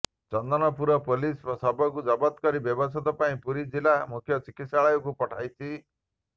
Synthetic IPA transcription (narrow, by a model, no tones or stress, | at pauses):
t͡ʃɔnd̪ɔnɔpuɾɔpolisɔsɔbɔkud͡ʒɔbɔt̪kɔɾibjɔbɔsɔt̪ɔpaĩpuɾid͡ʒilamukʰjɔt͡ʃikit̪saɭɔjɔkupɔʈʰajt͡ʃʰi